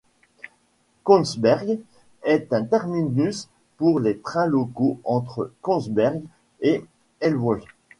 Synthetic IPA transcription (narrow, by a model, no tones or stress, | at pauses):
kɔ̃nsbɛʁɡ | ɛt̪ɛ̃t̪ɛʁminys | puʁlet̪χɛ̃lokoɑ̃t̪χə̰kɔ̃sbɛʁɡ | e | ɛlwɔl